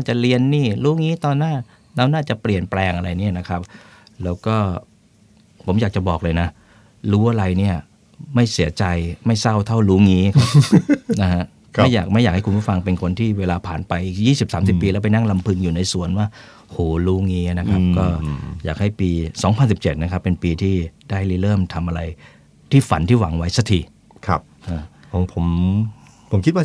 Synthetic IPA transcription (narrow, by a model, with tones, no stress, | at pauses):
nnaː˥˩t͡ɕa˨˩ɾi˧ənːiː˥˩luː˦˥ŋiː˦˥t̪ɔː˧nːaː˥˩ | nɛː˦˥wnaː˥˩t͡ɕa˨˩pli˨˩ənplɛː˧ŋʔa˧ɾa˧jni˥˩ɐna˦˥kʰɾa˦˥p̚ | lɛː˦˥wkɔː˥˩ | pʰo˩˦mjaː˨˩k̚t͡ɕa˨˩bɔː˨˩k̚lɤː˧jna˦˥ | ɾuː˦˥ʔa˧ɾa˧jni˥˩ɐ | ma˥˩jsi˩˦ɐt͡ɕa˧jma˥˩jsa˥˩wt̪ʰa˥˩wɾuː˦˥ŋiː˦˥kʰa˦˥˩na˦˥ɦa˦˥ʔ | kʰjaː˨˩k̚ma˥˩jaː˨˩k̚ha˥˩ku˧pʰu˥˩fa˧ŋpe˧nkʰo˧nt̪ʰiː˥˩weː˧laː˧pʰaː˨˩npa˧jʔiː˨˩k̚jiː˥˩si˨˩p̚saː˩˦msi˨˩ppːiː˧lɛː˦˥wp̬a˧jna˥˩ŋla˧mpʰɯ˧ŋjuː˨˩na˧jsu˨˩ənwaː˥˩ | o˧hoː˨˩luː˦˥ŋiː˦˥˩na˦˥kʰɾa˦˥p̚kɔː˥˩jaː˨˩k̚ha˥˩jpiː˧sɔː˩˦ŋpʰa˧nsi˨˩p̚t͡ɕe˨˩t̪̚n˦kʰa˦˥pːe˧npiː˧t̪ʰiː˥˩daː˥˩jliː˦˥lɤː˥˩mt̪ʰa˧mʔa˧ɾa˧j | t̪ʰiː˥˩fa˩˦nt̪ʰiː˥˩wa˩˦ŋwa˦˥jsa˧t̪ʰi˨˩ | kʰa˦˧˥p̚ʔaː˧˩o˩˦pʰo˩˦m | pʰo˨˩˦mkʰi˦t̪̚wa˥˩